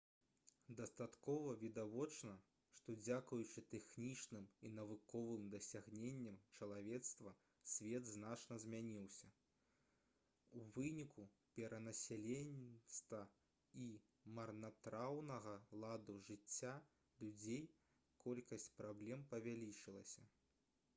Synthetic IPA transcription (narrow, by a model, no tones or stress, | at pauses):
d̪ɐst̪at̪kɔvɐvʲid̪avɔt͡ʂnɐ | ʂt̪ɔd͡zʲakujut͡ʂɨt̪ɛxnʲit͡ʂnɨminɐvɨkɔvɨmd̪ɐsʲaɣnʲenʲːɐmt͡ʂɐlˠavʲɛt̪st̪vɐ | sʲvʲɛd̪znat͡ʂnɐzʲmʲanʲiwsʲɐ | uvɨnʲiku | pʲɛɾɐnɐsʲɛlʲenʲst̪vɐ | i | mɐrnat̪ɾawnɐɣɐlˠad̪uʐɨt͡sʲːa | lʲud͡zʲej | kʰɔlʲkɐsʲt͡sʲpɾablʲɛmpɐvʲalʲit͡ʂɨlˠɐsʲɐ